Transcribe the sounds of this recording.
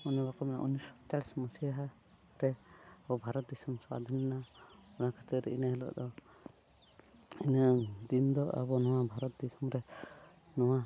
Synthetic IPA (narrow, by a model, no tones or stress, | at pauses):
unibakɔmɛna̰ʔunisɔ̥t̪alsmɔsiaɦa | ɾɛabɔbʱaɾɔt̪̚d̪isumsa̰d̪ʱinːaunakʰḁt̪iɾɛinaɦɛlɔ̰ʔd̪ɔ | inad̪ind̪ɔʔa̰bɔnɔwabʱaɾɔt̪̚d̪isumɾɛ | nɔwa